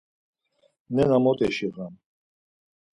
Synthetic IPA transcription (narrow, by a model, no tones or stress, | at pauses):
nɛnamɔt̪ʼɛʃiʁam